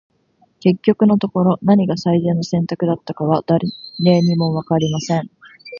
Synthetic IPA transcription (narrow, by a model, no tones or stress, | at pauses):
ke̞kʲːo̞kɯ̟no̞t̪o̞ko̞ɾo̞naɲ̟iɡasaizeːnːasẽ̞nt̪akɯ̟d̪at̪ːakaβad̪̥aɾne̞ːɲ̟imo̞βakaɾʲimasẽ̞ɴ